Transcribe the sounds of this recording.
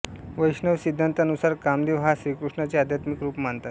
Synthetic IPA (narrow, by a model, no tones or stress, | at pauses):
ʋəjʂɳəʋsid̪ʱːənt̪əənusaɾkamd̪iʋɦasɾiːkɾuʂɳat͡sead̪ʱjat̪mikɾuːpmaɳt̪at̪